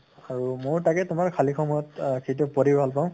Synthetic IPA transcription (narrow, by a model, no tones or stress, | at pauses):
aɹumʊɹtakɛtʊmaɹkʰalixʰɔmɔjɔtkʰetʊpoɾibʱalpaʊ̃